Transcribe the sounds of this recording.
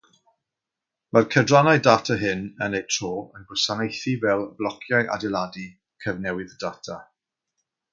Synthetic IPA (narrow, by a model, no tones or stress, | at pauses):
markʰədranaɨdaːtʰaɦɪnənejtʰr̥oːənɡʊsanejθivɛlˠəblˠɔkʰjajʔa̰dɛlˠadi | kʰəvnɛwɪðd̥atʰa